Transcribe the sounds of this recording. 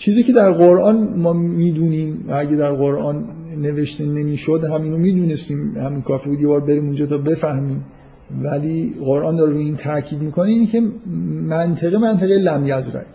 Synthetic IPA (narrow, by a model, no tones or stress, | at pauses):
t͡ʃʰiːziːcʰe̞d̪æɾɢoɾʔɒːnmɒːmiːd̪uːniːmvææɟæd̪æɾɣoɾʔɒːnː | e̞ve̞ʃt̪ʰenemiːʃod̪hæmiːnomiːd̪uːnest̪iːmhæmiːnkʰɒːfiːbuːd̪jebɒːɾbe̞ɾiːmund͡ʒɒːt̪ʰɒːbe̞fæhmiːm | væliːɢoɾʔɒːnd̪ɒːɾɾuiːnt̪ʰæɾcʰiːd̪miːkʰoneiːnecʰe̞mænt̪ʰeɣemænt̪ʰeɣejlæmjæzɾæ̰